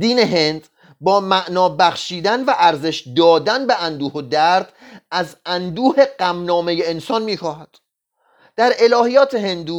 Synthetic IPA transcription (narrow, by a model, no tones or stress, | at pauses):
d̪iːne̞ɦe̞nd̪ | bɒːmæʔnɒːbæxʃiːd̪ænvæʔæɾze̞ʃd̪ɒːd̪ænbe̞ʔænd̪uːhod̪æɾd̪̥ | æzænd̪uːhe̞ɡæmnɒːme̞jeːnsɒːnmiːxɒːhæd̪̥ | d̪̥æɾe̞lɒːɦijɒːt̪ʰe̞ɦe̞nd̪uː